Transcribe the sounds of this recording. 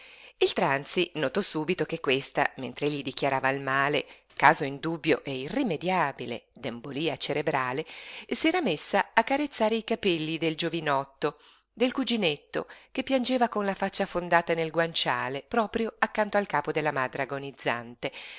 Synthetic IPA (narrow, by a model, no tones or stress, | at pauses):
ilt̪ɾant̪sinot̪ɔsuːbit̪okekːwest̪a̰mḛnt̪ɾeeʎːid̪ikjaɾaːvalmaːle | kaːzoind̪ubːjoʔɛirimed̪jaːbilḛd̪emboliːat͡ʃeɾebɾaːlesiɛːɾamesːaːkːaɾet̪sːaːɾeikapɛlːid̪eld͡ʒovinɔt̪ːo | d̪elkud͡ʒinet̪ːo̰k̟epːjand͡ʒeːvakonlafat͡ʃːafond̪aːt̪anelɡwant͡ʃaːlepɾɔːpɾjoakːant̪oalkaːpod̪elːamad̪ɾeaɡonid̪zːa̰nt̪e